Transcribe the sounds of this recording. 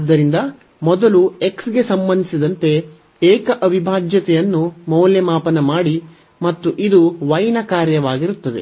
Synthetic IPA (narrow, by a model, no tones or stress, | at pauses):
d̪ːɐɾind̪ɐ | mɔd̪ɐlue̞ksɡe̞sɐmbɐnd̪isid̪ɐnt̪e̞ | eːkɐʔɐʋʱibʱaːd͡ʒjɐt̪ɛjɐnːumɐwljɐmaːpɐnɐmaːɽi | mɐt̪ːuʔid̪uʋɐjnɐkaːɾjɐʋaːɡiɾut̪ːɐd̪e̞̰